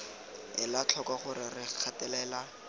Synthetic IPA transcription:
ɪlat͡ɬʰɔkwaχʊɾɪrɪq͡χʰatɛlɛla

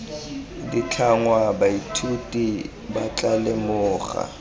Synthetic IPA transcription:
dit͡ɬʰaŋwabaitʰutʼi | bat͡ɬʼalemʊːχa̰

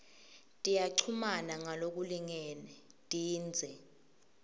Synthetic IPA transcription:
tʼijaǀʰumanaŋalok̬uliŋɛːnɛ | tʼiːnd͡zʱɛ

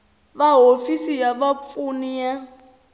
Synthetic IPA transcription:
βaɦofisijaβap̪funija

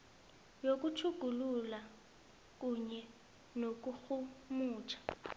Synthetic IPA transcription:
jok̬ʼut͡ʃʰuɡ̥ʱulula | k̬ʼuɲɛ | nok̬ʼuxumuːt͡ʃʰḁ

